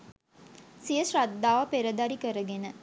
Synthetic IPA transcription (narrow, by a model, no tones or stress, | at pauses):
sijəsrad̪ːaːʋəpeɾəd̪aɾikəɾəɡenə